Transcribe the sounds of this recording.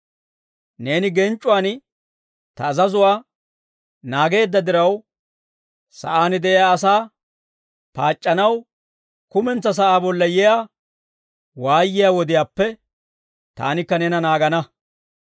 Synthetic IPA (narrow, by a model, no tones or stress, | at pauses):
ne̞ːnɪɡɛnt͡ʃʼːʊwaːn | t̪ɐːzɐzʊwaː | naːɡe̞ːd̪ːɐd̪ɪɾɐw | sɐ̰ʔaːnɪd̪ɛʔɪjaːɐsaː | paːt͡ʃʼːɐnɐw | kʊmɛnt͡sːɐs̬ɐʔaːbɔlːɐjɛjaː | waːjːɪjaːwɔd̪ɪjaːpːɛ | t̪a̰ːnɪkːɐnɛnɐnaːɡɐnɐ